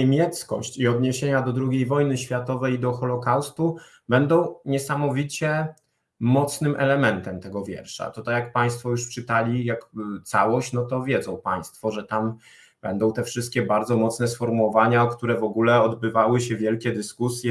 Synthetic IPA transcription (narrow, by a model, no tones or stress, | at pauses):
emʲjɛt̪skɔ̰ɕt͡ɕiɔd̪ɲeɕeɲad̪ɔd̪ɾuɡʲejvɔjnɘɕfʲjat̪ɔvɛjd̪ɔxɔlɔkawst̪u | bɛnd̪ɔ̃w̃ɲɛsamɔvʲit͡ɕɛ | mɔt̪snɘmʔɛlɛmɛnt̪ɛmt̪ɛɡɔvʲjɛ̰ɾʂa̰t̪ut̪ajak̚paj̃st̪fɔjuʂpʂɘt̪alʲijakt̪sawɔɕt͡ɕnɔt̪ɔvʲjɛd̪zɔ̃w̃paj̃st̪fɔʐɛt̪am | b̥ɛnd̪ɔ̃w̃t̪ɛfʂɘst̪̚kʲɛbaɾd̪zɔmɔt̪snɛsfɔɾmuwɔvaɲakt̪uɾɛvɔɡulɛɔd̪bɘvawɘɕɛvʲjɛlkʲɛd̪ɘskusʲjɛ